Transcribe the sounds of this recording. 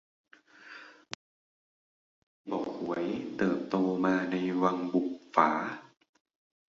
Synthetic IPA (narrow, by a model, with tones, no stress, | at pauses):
bɔː˨˩˦hu˨˩˦əjt̪ɤː˨˩p̚t̪oː˧maː˧na˧jwa˧ŋbu˨˩k̚faː˩˦